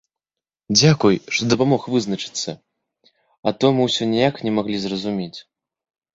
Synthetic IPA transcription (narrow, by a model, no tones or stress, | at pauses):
d͡zʲakujʂt̪ɔd̪ɐpamɔxvɨznɐt͡ʂɨ̥t̪sːɐ̰ | ɐt̪ɔmɨwsʲɔnʲɛjaknʲɛmaɣlʲizrɐzumʲet͡sʲ